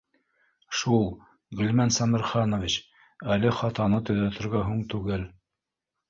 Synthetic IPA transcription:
ʃulˠ | ɡɵ̆lmænsɑmɘ̆ɾχɑnovʲit͡ɕ | ælɘχɑt̪ɑnɤt̪ɵ̆ðæt̪ɘ̆ɾɡæɦuɴt̪ʉɡɘl

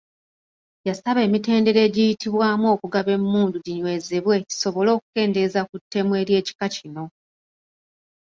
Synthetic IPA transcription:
jasaβe̞ːmite̞ːnde̞ɾe̞ːɟijitiβwaːmuo̞ːkuɡaβe̞mːuːnduɟiɲwe̞zeβwe̞ci̥so̞βo̞lo̞ːku̥ke̞ːnde̞zakutːe̞mwe̞ːɾje̞ːci̥kacino̞

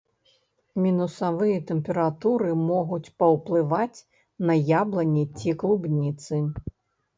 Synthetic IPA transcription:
mʲinusavɨjɐt̪ɛmpʲɛɾat̪uɾɨmɔɣut͡sʲpɐwplˠɨvat͡sʲ | nɐjablˠɐnʲɛt͡sʲiklˠubnʲit̪sɨ

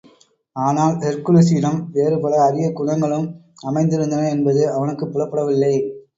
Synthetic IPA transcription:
aːnaːlɛɾkɯlɯsiːɾɐmʋeːɾɯpɐɽɐːɾɪjɐkʊɳɐŋɡɐɭɯm | ɐmɐɪnd̪ɪɾɯnd̪ɐnɐɛnbɐðɯɐʋɐnɯkːɯpːʊlɐpːɐɽɐʋɪlːɐɪ

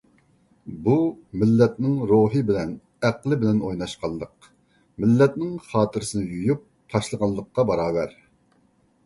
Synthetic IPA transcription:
bumɪlːɛt̪nɪŋɾoɦɨbɪlɛn | æqlˠɨbɪlɛnojnɑʃqʰɑlˠd̪ˠəq | mɪlːɛt̪̚nɪŋχɑːt̪ʰɨɾɪsɨnɪjujup̚ | t̪ʰɑʃlˠəʁɑlˠəqːɑbɑɾɑːvɛɾ

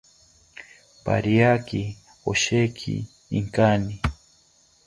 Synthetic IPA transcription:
pa̰ɾiaki | oʃekʰḭ | iŋkani

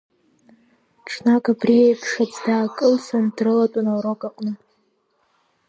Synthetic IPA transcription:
ʈ͡ʂʰʼnakʼabriajpʰʂat͡sdaːkʼɨlsandrɨlatʷʼʊnawɾokʼaqʼnɨ

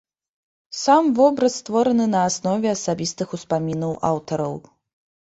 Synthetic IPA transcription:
samvɔbɾɐsːt̪vɔɾɐnɨnɐːsnɔvʲɛasabʲist̪ɨxuspamʲinɐwʔa̰wt̪ɐɾɐw

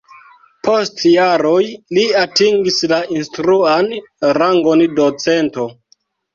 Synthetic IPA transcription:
pʰo̞stjaɾojliatiŋɡislaʔinstɾuanɾaŋɡo̞ndot͡se̞nto̞

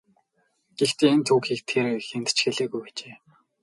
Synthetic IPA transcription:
ɡ̥ext̪eːnt̪ʰuːkxiːk̚t̪ʰerxent̪ʰt͡ɕxeɮeːɣujpæt͡ɕeː

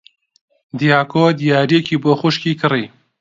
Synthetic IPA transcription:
d̪ijaːkʰod̪ijaːɾiekʰiːboːxuʃkiːkʰɨri

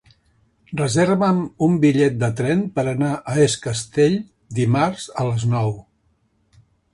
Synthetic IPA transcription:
rrəzeɾβəmumbiʎɛt̪̚d̪ət̪ɾɛnpəɾənaʔəeskəst̪eʎ | d̪imaɾz̥ələznɔw

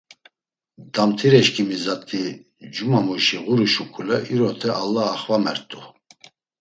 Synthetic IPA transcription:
d̪̥amt̪ʰiɾɛʃkʰʼimizat̪ʰʼi | d͡ʒumamuʃiʁuɾuʃukʰulɛʔiɾɔt̪ʰɛʔalːaːχvamɛɾt̪ʼu

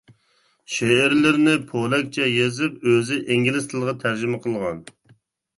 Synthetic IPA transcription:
ʃeːɾlɪɾnɪpʰolˠɛk̚ʲt͡ʃʰɛjezɪp̚øzɪʔeŋʲilɪst̪ʰɨlˠʁɑt̪ʰæɾd͡ʒɪmɛqʰəlˠʁɑn

